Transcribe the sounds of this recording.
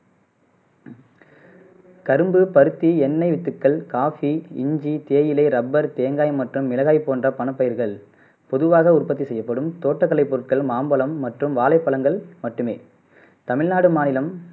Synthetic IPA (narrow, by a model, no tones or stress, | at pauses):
kɐɾɯmbɯpɐɾɯt̪ːiɛnːɐɪʋɪt̪ːɯkːɐɭkaːfiɪɲd͡ʒit̪eːjɪlɐɪɾɐbːɐɾt̪eːŋɡaːjmɐʈrɯmːɪlɐɣaːɪpːoːndrɐpɐnɐpːɐjɐɾɣɐɭ | pɔðɯʋaːɣɐʊrpɐt̪ːisɛjːɐpːɐɽɯmt̪oːʈːɐkːɐɭɐɪpːoːʈkɐɭmaːmbɐlɐmːɐʈrɯmʋaːlɐɪpːɐlɐŋɡɐɭmɐʈːɯmḛː | t̪ɐmɪɻnaːɽɯmaːnɪlɐm